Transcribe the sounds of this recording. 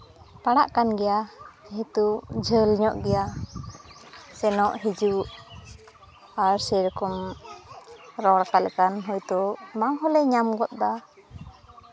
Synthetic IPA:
paɽaʔkanɡɛjaɦɛt̪ud͡ʒʱəlɲɔʔɡɛja | sɛnɔʔɦid͡ʒuʔ | aɾsɛɾɔkɔm | ɾɔɽakalɛkanɦɔjt̪ɔmaŋɦɔlɛɲamɡɔt̪̚d̪a

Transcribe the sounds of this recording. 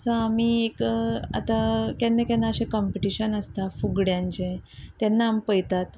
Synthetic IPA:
sə̃amiːeka̰t̪akɛnːekɛnːaəɕekɔmpiʈiɕənəst̪afuɡɽjãɲt͡ɕẽt̪ɛnːaːmpəjt̪at̪

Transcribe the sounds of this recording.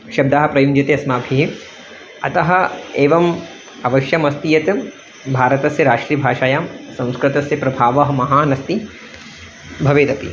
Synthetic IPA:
ʃɐb̚d̪aɦɐ̆pɾɐjund͡ʒɐt̪eɐsmaːbʱiɦi | ɐt̪ɐɦɐ̆eːʋɐm | ɐʋɐʃjɐmɐst̪ijɐt̪ɐ | bʱaːɾɐt̪ɐsjɐɾaːʂɾiːbʱaːʃaːjaːmsɐ̃w̃skɾɪt̪ɐsjɐpɾɐbʱaːʋɐɦɐ̆mɐɦaːnɐst̪i | bʱɐʋeːt̪ɐpḭ

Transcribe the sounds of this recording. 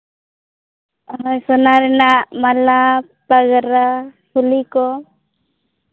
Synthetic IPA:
ɦəjsɔnaɾɛnamala | paɡəɾapʰulikɔ

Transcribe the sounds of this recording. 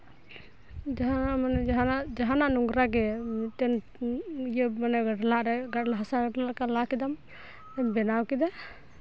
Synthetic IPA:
d͡ʒaɦanamanɛd͡ʒaɦanad͡ʒaɦananuŋɡɾaɡɛt̪ɛn | jəmanaɡaʈlaʔɾɛɡaʈlaɦasaɡaʈlaʔkalakid̪am | tɛmbɛnawkid̪ɛ

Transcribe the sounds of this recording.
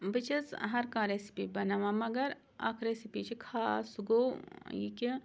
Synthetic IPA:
bɨt͡ʃɐzɦɐɾkaːɾeːsi̥pibɐnaːʋamɐɡɐɾ | a̰ːkʰɾeːsipit͡ʃʰikʰaːsɡojḭkʲi

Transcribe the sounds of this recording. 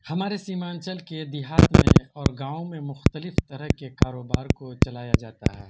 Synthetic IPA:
hɐmaːɾesiːmaːnt͡ʃəlked̪ɪɦaːt̪mḛ̃ɔːɾɡãːõmẽmʊxt̪əlɪft̪ɐɾəɦkekaːɾoːbaːɾkot͡ʃɐlaːja̰d͡ʒaːt̪a̰ɦɛː

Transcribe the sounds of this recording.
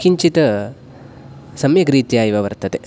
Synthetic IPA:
kiɲt͡ʃit̪ɐ | sɐmjɐkɾiːt̪ijaːjiʋɐʋɐɾt̪ɐt̪e

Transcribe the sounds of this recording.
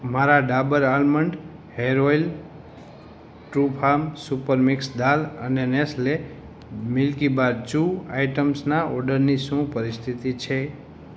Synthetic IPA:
maɾaɖabəɾalməɳɖ | heɾoil | ʈɾupʰamsupəɾmiksd̪alənenesle | milkibaɾt͡ʃuajʈəmsnaɔɾɖəɾnisũpəɾist̪ʰit̪it͡ʃʰe

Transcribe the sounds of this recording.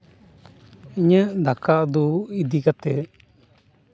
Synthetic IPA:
iɲə̃d̪akaʔd̪uid̪ikat̪e

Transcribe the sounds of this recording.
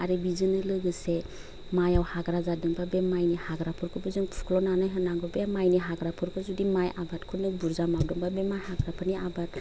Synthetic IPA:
aɾɯbizɯnɯlɯɡɯse | majawhaɡɾazadɯŋbabemajnihaɡɾapʰɯɾkʰɯbɯzɯŋpʰu̥kʰlɔnanajɦɯnaŋɡɯbemajniɦaɡɾapʰɯɾkʰɯzudimajabatkʰɯnɯbuɾzamawdɯŋbabemajhaɡɾapʰɯniabat

